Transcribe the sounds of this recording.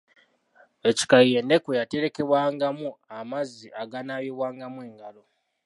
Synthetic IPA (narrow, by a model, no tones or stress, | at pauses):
e̞ci̥kajije̞ːnde̞kojate̞ɾe̞ke̞βwaːŋɡamuamaziʔaɡanajeβwaːŋɡamwe̞ːŋɡalo̞